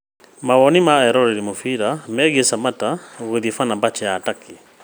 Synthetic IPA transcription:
maɣɔnimaɛɾɔɾɛɾimofiɾamɛɣesamataɣoðifanambat͡ʃɛataki

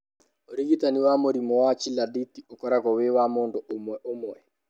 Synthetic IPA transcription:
oɾiɣitaniwamoɾimɔwat͡ʃiladitiokɔɾakɔwewamoːndoomwɛʔomwɛ

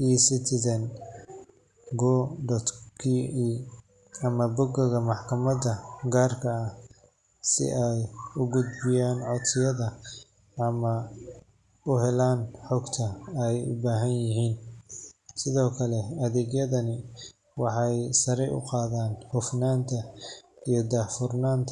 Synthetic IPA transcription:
isɪt̪ʰɪðɐn | ɡɔːɖɔt̪kʰiiː | ɐmɐbʊɡɐɣɐmɑħkʰɐmɐd̪ɐɡaːrkʰɐː | sɪ̰ʔɛjʊɡʊd̪bɪjaːnʕɔt̪ʰɪjɐðɐ | ɐmɐ | ʊhɛlaːnħɔɡt̪ʰɐɛjʊ̰baːɦɐnjɪɦiːn | sɪðɔːkʰɐlɛɐðɛːɡjɐðɐnɪ | wɑħɑjsɐɾɛjʊ̰qɑːðaːnhʊfnaːnt̪ʰɐijɔd̪aːfʊrnaːnt̪ʰ

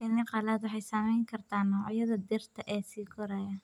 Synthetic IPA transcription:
ɪnːɪqɑlaːd̪wɑħɑjsɐmɛjŋkʰɐrt̪ʰaːnːɐwʕjɐðɐd̪ɪrt̪ʰɐʔɛːsiːkʰɔɾɐjɐ

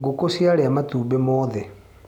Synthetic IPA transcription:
ɡokosjaɾeamatuːbemɔːðɛ

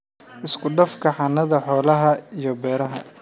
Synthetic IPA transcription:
ʔɪskʰʊɖɐfkʰɐħɑnɐðɐħɔːlɐɦɐijɞbɛːɾɐɦɐ̰

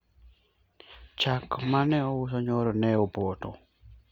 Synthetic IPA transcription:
t͡ʃakmanɛɔwʊsɔɲɔɾɔnɛobɔtɔ

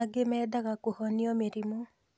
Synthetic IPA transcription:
aɡemɛːd̪aɣakohɔniɔmeɾimo

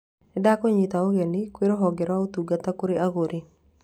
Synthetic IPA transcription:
ɛdakɔɲit̪aoɣendikweɾoɦɔɡɛɾwaot̪uɡat̪akoɾeʔaɣoɾi

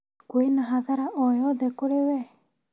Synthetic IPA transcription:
kuenaɦaðaɾaʔɔjɔðɛkoɾewɛ

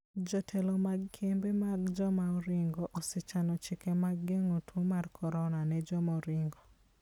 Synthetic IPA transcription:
d͡ʒɔtʰɛlomaɡkʰembemaɡd͡ʒɔmauɾɪŋɡɔʔɔsɪt͡ʃanɔt͡ʃɪkɛmaɡːeŋotʰumarkʰɔɾɔnanɛd͡ʒɔmɔɾɪŋɡɔ

